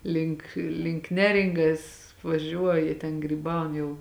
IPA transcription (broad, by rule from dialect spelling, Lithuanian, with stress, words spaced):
ˈlʲɪŋk lʲɪŋk ˈnʲæːrʲɪŋɡɐs ʋɐˈʒʲuɔjɛ tʲɛn ɡrʲiːˈbɐʊn ˈjɛʊ